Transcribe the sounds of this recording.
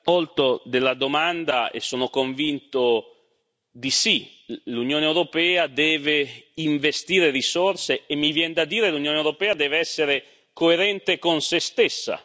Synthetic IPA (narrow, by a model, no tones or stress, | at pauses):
ɔlt̪od̪elːad̪omand̪aḛsːoːnokoɱvint̪o | d̪isi | lunjoːneewɾopɛːad̪ɛːveiɱvest̪iːɾerisorseːmːivjɛnd̪ad̪iːɾelunjoːnewɾopɛːad̪ɛːveɛsːeɾe | koeɾɛnt̪ekonsest̪esːa̰